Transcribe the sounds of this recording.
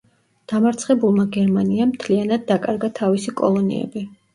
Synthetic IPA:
d̪̥amaɾt̪sʰχɛbulˠmaɡɛɾmaniamt̪ʰlianad̪̚ːakʼaɾɡat̪ʰavisikʼɔ̰lˠɔnḭɛ̰bi

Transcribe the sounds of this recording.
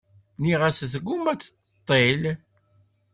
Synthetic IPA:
niʁæsθəɡːumæt͡sːə̥t̪ː | t̪ˤːel

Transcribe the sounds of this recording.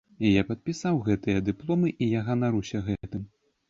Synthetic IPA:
ijapɐt̪̚pʲisawɣɛt̪ɨjɐd̪ɨplˠɔmɨʔijaɣɐnaɾusʲɐɣɛt̪ɨm

